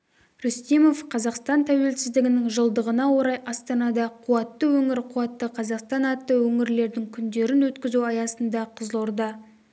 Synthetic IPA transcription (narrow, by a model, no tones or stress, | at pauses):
ɾʏst̪imo̞fqʰɑzɑqst̪ɑnt̪ʰæwe̞lsɪzd̪ɪɡʲɪnɪŋʒəlˠd̪əʁənɑwo̞ɾɑjʔɑst̪ɑnɑd̪ɑqʰuɑt̪ːəwɵŋɪɾqʰuɑt̪ːəqʰɑzɑqst̪ɑnɑt̪ːəwɵŋɪɾle̞ɾd̪ɪŋkʲʰʏnd̪e̞ɾɪnwɵt̪kʲɪzuɑjɑsənd̪ɑqʰəzlˠoɾd̪ɑ